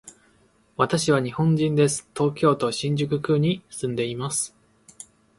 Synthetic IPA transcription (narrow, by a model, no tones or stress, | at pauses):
βat̪aɕiβaɲ̟ihõ̞ɲ̟d͡ʑĩnd̪e̞sɨ̥t̪o̞ːkʲo̞ːt̪o̞ɕĩɲ̟d͡ʑɨkɯ̟kɯ̟ɲ̟isɨ̃nd̪e̞imasɨ̥